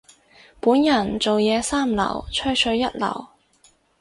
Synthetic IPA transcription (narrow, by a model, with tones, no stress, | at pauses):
puː˨˥njɐ˨˩nt͡so˨wjɛː˨˧saː˥˩mlɐ̰˨˩wt͡ʃʰɵ˥sʰɵ˧ɥːɐ˥t̚lɐ̰˨˩w